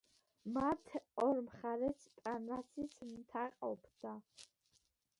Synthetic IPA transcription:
mat̪ʰɔɾmχaɾɛst̪ʼanɾasismt̪ʰaqʼɔbd̪a

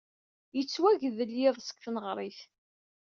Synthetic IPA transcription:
jət͡sːwæʝðəljɪðˤsə̥kθnəʁɾˤiθ

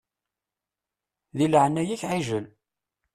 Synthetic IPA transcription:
ðiləʕənæjiçʕiʒəl

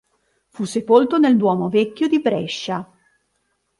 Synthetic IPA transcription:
fusːepolt̪oneld̪wɔːmovɛkʲːjod̪ibɾɛʃːa

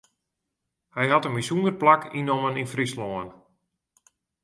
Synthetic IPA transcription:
hɛjɦatənmisunərplakʰinoməninfrisloən

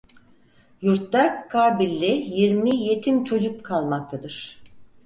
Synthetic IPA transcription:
juɾt̪d̪akʰːaːbilʲːijiɾmije̞t̪ʰimt͡ʃʰo̞d͡ʒuk̚kʰalˠmak̚t̪ʰad̪ɯɾ̥

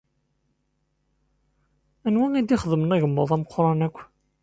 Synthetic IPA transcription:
ænwæŋid̪iχəðəmənæʝəmːoðˤæməqɾˤɑnækʷː

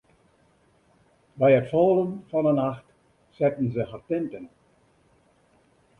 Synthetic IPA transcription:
bɛjətfɔːlˠənfɔnənaxt | sɛtən̩zəɦartɪntən

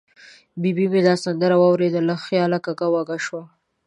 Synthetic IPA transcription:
bibimed̪ɑsand̪əɾawɑwɾed̪əlaxjɑlakakawaɡaʃwa

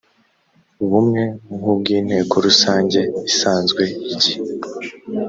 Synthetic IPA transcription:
βumŋe̞ŋub̚ɡiːn̥he̞ːko̞ɾusaːɲɟe̞isaːnzɡwe̞iɟi

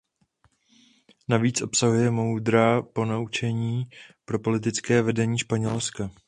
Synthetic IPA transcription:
naviːt͡sʔo̞psaɦujɛmo̞wd̪ɾaːpo̞naut͡ʃɛɲiːpɾo̞po̞lɪt̪̬ɪt͡skɛːvɛdɛɲiːʃpaɲɛlska

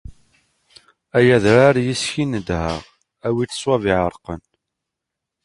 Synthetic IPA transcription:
æjæðɾaɾjisçinəd̪hə̰ʁ | æwitə̥swæviʕəɾqən

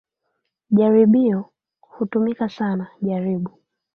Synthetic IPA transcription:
ʄaɾiɓiɔ | hutumikasanaʄaɾiɓu

